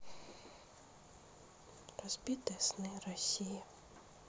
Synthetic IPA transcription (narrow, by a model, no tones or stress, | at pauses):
ɾɔz̥ʲbʲit̪ɛsnɪɾɔsʲiji